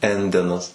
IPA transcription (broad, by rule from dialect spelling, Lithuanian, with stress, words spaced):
ˈɛnʲdʲɛnɐs